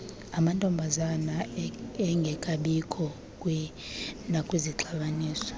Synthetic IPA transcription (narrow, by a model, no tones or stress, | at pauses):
amantʼɔmbʱazanaɛŋɡʱɛkʼaɓikʰʼɔ | kʼwɛnakʼwiziǁʰaɓaniːsɔ̥